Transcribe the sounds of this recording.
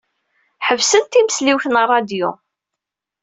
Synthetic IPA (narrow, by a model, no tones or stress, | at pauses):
ħəvsənt̪iməsliwθnərˤːɑd̪jʊ̰